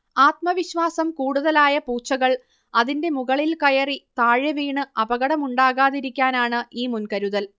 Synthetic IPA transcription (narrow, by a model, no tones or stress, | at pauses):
aːt̪mɐʋiɕʋaːsɐmkuːɽuðɐlaːjɐpuːt͡ɕːɐɣɐɭ | ɐðinde̞muɣɐɭilkɐjɐrit̪aːɻɐʋiːɳɨɐbɐɣɐɽɐmuɳɖaːɣaːðiɾikʲːaːnaːɳɨʔiːmunkɐɾuðɐl